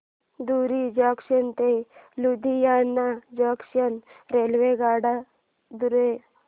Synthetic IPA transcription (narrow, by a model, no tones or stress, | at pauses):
d̪uɾid͡ʒakʃənt̪elud̪ʱijanːad͡ʒəkʃənɾelʋeɡaːɽa | d̪uɾe